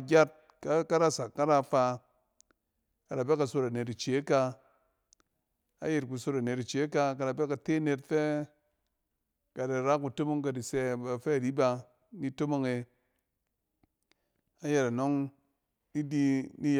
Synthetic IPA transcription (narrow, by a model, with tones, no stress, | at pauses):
ɡʲa˦t̚ | ka˦ka˦ɾa˦˨sa˨kːa˦ɾa˦fa˧ | ka˨da˨be˦ka˨so˧ɾa˨ne˨ti˨t͡ʃe˨˦ka˧ | a̰˦je˨tku˨so˧ɾa˨ne˨ti˨t͡ʃe˨˦ka˧ka˨da˨be˦ka˨te˦˨ne˧tfɛ˦ | ka˨da˨ɾa˦ku˨to˦mo˦ŋka˨di˨sɛ˧ba˨fɛ˦˨di˦ba˧ | ni˦to˦mo˦ŋe˧ | a˦je˨ɾa˨no˦ŋ | di˦di˦ni˦